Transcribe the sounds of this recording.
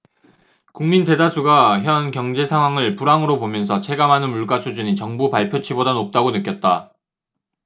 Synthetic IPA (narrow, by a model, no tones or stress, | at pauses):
kuŋminte̞dasʰuɡaçjʌnkjʌŋd͡ʑe̞sʰaŋɦwaŋɯɭpuɾaŋɯɾobomjʌnsʰʌt͡ɕʰe̞ɡamɦanɯnmuɭk͈asʰud͡ʑuɲit͡ɕʌŋbupaɭpʰjot͡ɕʰibodanop̚t͈aɡonɯk͈jʌt̚t͈a